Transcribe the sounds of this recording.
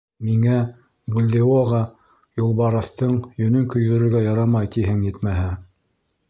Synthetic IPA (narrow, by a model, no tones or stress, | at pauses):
miŋæ | bulʲd̪eoʁɑ | julˠβɑɾɤ̆θt̪ɤɴjɵ̆nɵŋkɵ̆jɣɵ̆ɾɵ̆ɾɡæjɑɾɑmɑjt̪iɦɘŋjɘt̪mæɦæ